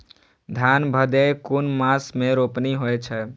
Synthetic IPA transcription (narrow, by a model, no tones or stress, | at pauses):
d̪ʱjanbʱəd̪ekunmasmeɾopniɦoet͡ʃʰɛ